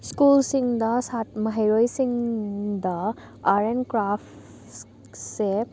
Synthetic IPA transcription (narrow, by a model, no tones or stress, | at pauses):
skulsiŋd̪asaʈməɦeɾojsiŋd̪a | aɾenkɾaf | se